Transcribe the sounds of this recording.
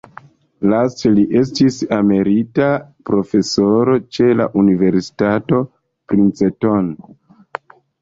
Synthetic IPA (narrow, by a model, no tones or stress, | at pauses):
lasteliʔe̞s̬tisame̞ɾitapɾo̞fe̞so̞ɾo̞t͡ʃe̞la̰ʔunive̞ɾsi̥tato̞ | pɾint͡seton